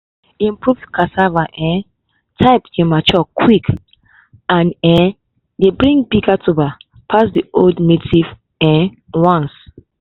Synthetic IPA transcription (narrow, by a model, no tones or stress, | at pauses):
ĩmpɹuvkʰasavaʔɛ̃ | tʰaɪpd͡ʒɛ̃mat͡ʃɔkʰwik | ãnɛ̃ | debɹĩŋbiɡatʰuba | pʰasdioldnetiv | ɛ̃ | wãns